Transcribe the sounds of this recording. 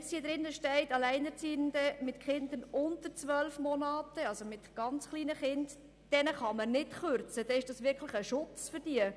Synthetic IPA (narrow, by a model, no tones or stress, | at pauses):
shiəd̥̪ɾɪnːəʃtɛɪtɑlɛɪnəɾt͡siːənd̪əmɪtχɪnd̪ənʊntəɾt͡sʋœlfmɔnɑːtəɑlsomɪtɡ̥ɑnt͡sχliːnəχɪnt | d̥ɛnəχɑmənɪtχøɾt͡səd̥ɛɪʃd̥ɑsʋɪɾkχləχəʃʊt͡sfʏɾd̥iə